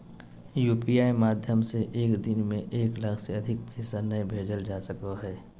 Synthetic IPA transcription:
juːpiaːimaːd̪ʱjəmseʔeːkd̪ɪnmẽʔeːklɐkʰseɐd̪ʱɪk̚pɛːsanɐĩbʱeːd͡ʒəld͡ʒaːsəkaɦɛː

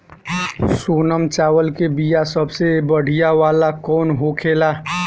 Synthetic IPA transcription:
soːnəmt͡ʃaːwəlkebijasəbsebəɽ̤ijaʋaːlakɔːnɦokʰeːlaː

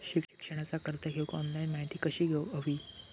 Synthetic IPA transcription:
ɕii̥kʂəɽ̃at͡sakəɾt̪əɡʱeʋkɔnlainmaɦit̪iːkəɕiːɡʱeʋəʋiː

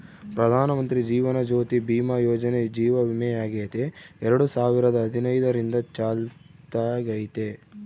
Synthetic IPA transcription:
pɾɐd̪ʱaːnɐmɐnt̪ɾid͡ʒiːʋɐnɐd͡ʒoːt̪ibiːmɐjɔːd͡ʒɐned͡ʒiːʋɐʋimɛjaːɡeːt̪eɛɾɐɽusaːʋiɾɐd̪ɐɦːd̪ʱinɐjd̪ɐɾind̪ɐt͡ʃaːlt̪aːɡɐjt̪e

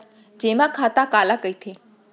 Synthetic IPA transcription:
d͡ʑẽːmãkʰaːt̪akaːlakɐit̪ʰeː

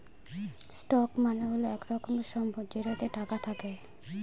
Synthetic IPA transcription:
sʈɔkmanoɦoloɛkɾɔkɔmʃɔmbʱɔd͡ʒeɾot̪eʈakat̪ʰake

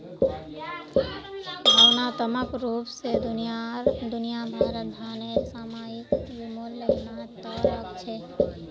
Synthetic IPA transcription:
bʱawnat̪əməkɾupsed̪unijaɾd̪unijabʱaɾət̪̚d̪ʱanesamajikbimolləɡnat̪ɔɾəkt͡ʃʰɛ

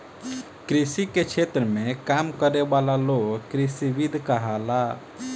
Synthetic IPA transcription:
kɾisiket͡ʃʰet̪ɾəmẽkamkəɾebalaloɡkɾisiʋid̪ʱkəɦala

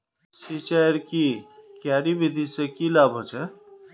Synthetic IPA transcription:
ʃit͡ʃaɾkiːkjaːɾibid̪ʱisekiːlaːbʱot͡ʃʰe

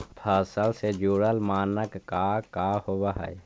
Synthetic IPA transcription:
pʰaːsəlsed͡ʒuːɽəlmaːnəkːakahobaɦə̰e

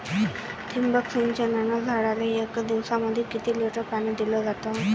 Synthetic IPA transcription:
t̪ʰimbəksind͡ʑənanad͡zʱaɽalejekd̪iʋsaməd̪ʱːjekit̪iːleʈəpaned̪ilɔd͡zat̪ɔ

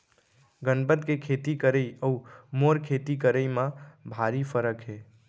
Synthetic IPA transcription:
ɡənbət̪kekʰet̪ikəɾəiəumoɾkʰet̪ikəɾəimãbʱaɾipʰəɾəkɦeː

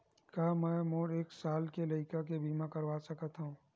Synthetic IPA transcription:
kaːmɛ̃ːmoːɾeːksaːlkelɐɪkakebʱiːmãkɐɾʋasɐkət̪ɦũː

